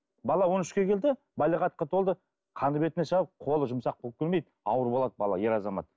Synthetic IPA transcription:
bɑlˠɑwo̞nʏʃkʲe̞kʲʰe̞ld̪ɪ | bɑlʲˠiʁɑt̪̚qɑt̪ʰo̞lˠd̪ə | qʰɑnəbe̞t̪ɪnesɑqʰo̞lˠəʒʊmsɑqbolp̚kʲʏɾme̞jd̪ | ɑwəɾbolˠɑd̪̚bɑ̰lˠɑ̰je̞ɾɑzɑmɑ̰t̪̚

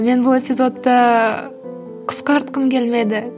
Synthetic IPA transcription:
me̞nbʊlˠe̞pʲizo̞t̪ːɑ | qʰə̥sqɑɑɾt̪̚qəmkʲʰe̞lmed̪ɪ

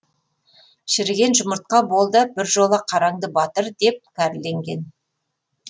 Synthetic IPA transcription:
ʃɪɾɡʲe̞nʒʊməɾt̪̚qɑbo̞lˠd̪əbɪɾʒo̞lˠəqʰɑɾɑŋd̪əbɑt̪əɾd̪e̞p̚kʲʰæɾɪlːe̞ŋɡʲe̞n

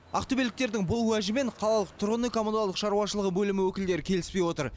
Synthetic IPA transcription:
ɑ̰qt̪obelɪk̚t̪e̞ɾd̪ɪŋbʊlˠwæʒɪme̞ɴqʰɑlˠɑlˠəq̚t̪ʰʊɾʁənəkʰomond̪olˠəqʃɑɾuwɑʃəlˠəʁəbɵlɪmɪwɵkʲɪld̪e̞ɾɪkʲʰe̞lɪspe̞jwo̞t̪əɾ

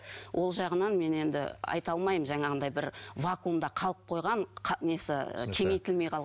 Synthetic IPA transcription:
wʔo̞lˠʒɑʁənɑnme̞ne̞nd̪ɪ̰ɑ̰jt̪ɑlˠmɑjəmʒɑɴɑʁənd̪ɑjbɪɾvakund̪ɑqʰɑlˠəp̚qʰo̞jʁɑɴqʰnesɪ̰kʲʰe̞ŋe̞jt̪ɪlme̞jqʰɑlˠʁ

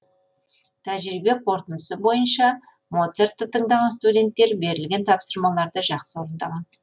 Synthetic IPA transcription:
t̪ʰæʒɾibe̞qʰo̞ɾt̪ənəsəbo̞jənʃɑ | mo̞t̪sert̪ːət̪ʰəɴd̪ɑʁɑnst̪udʲe̞nt̪ːe̞ɾbe̞ɾɪlɡʲe̞nt̪ʰɑpsəɾmɑlˠɑɾd̪əʒɑqsəwo̞ɾənd̪ɑlʁɑn

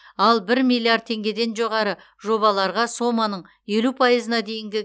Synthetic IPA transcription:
ɑlˠbɪɾmilʲˠijard̪̚t̪ʰe̞ŋɡʲe̞d̪e̞nʒo̞ʁɑɾə | ʒo̞bɑlˠɑɾʁɑso̞mːɑnəɴ | je̞lupʰɑjəzənɑd̪e̞jɪŋɡʲɪ

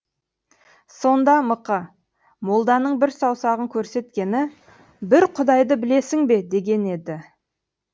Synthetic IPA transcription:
so̞nd̪ɑməqɑ | mo̞lˠd̪ɑnəɴbɪɾsɑwsɑʁəŋkʲʰɵɾse̞t̪kʲe̞nɪ | bɪɾqʰʊd̪ɑjd̪əbɪle̞sɪŋbe̞d̪e̞ɡʲe̞ne̞d̪ɪ

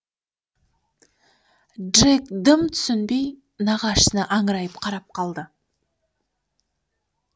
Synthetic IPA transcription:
dʒekd̪əmt̪ʰʏ̥sʏnbe̞j | nɑʁɑʃnəʔɑɴɾɑjəpqʰɑɾɑp̚qʰɑlˠd̪ə

